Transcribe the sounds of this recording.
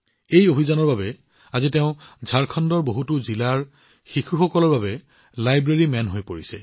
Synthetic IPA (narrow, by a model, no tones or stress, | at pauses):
ejobʱizanɔɹbabɛ | azitɛʊ̃zʱaɹkʰɔndɔɹboɦutuzilaɹ | xixuxɔkɔlɔɹbabɛ | lajbɹeɹimɛnɦojpoɹisɛ̰